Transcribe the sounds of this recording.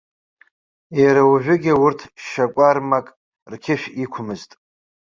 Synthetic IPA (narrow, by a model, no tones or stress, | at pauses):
eɾawʒᶣʷʊɡʲɪwʊrtʰʃakʷʼarmakʼ | rkʲʰɪʃᶣikʷʰʊmɨztʼ